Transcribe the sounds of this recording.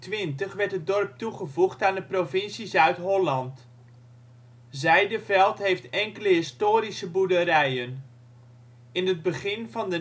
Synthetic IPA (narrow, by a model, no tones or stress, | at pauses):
tʋɪntəχʋɛɹtət̚dɔrp̚tuχəvuχtaːndəprovɪnsizœɥtɦɔlɑnt | zɛjdəvɛlˠtɦejftɛŋkələɦɪstoːɾisəbudəɾɛjən | ɪnəd̚bəχɪnvɑndə